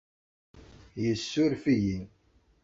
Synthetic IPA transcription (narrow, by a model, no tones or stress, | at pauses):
jəsːʊɾfiji